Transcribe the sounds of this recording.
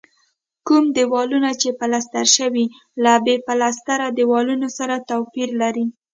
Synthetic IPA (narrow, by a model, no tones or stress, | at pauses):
kumd̪ewɑlunat͡ʃepalast̪aɾʃəwi | labepalast̪aɾad̪əwɑlunosaɾat̪awpiɾlaɾi